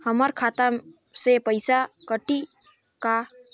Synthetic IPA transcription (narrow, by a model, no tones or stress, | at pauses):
həməɾkʰat̪am | sepəjsakəʈi | ka